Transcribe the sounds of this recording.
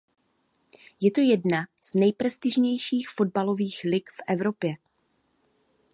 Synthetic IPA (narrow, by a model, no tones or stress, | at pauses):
jɛt̪o̞jɛdnaz̥nɛjpɾɛst̪ɪʒɲɛjʃiːxfo̞d̚balo̞viːxlɪkfʔɛvɾo̞pjɛ